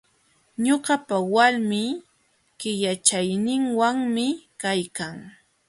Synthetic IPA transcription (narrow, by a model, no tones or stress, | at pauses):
ɲoɢɑpawaɾmiː | kɪʎat͡ʃajnɪŋwaŋmɪkajkaŋ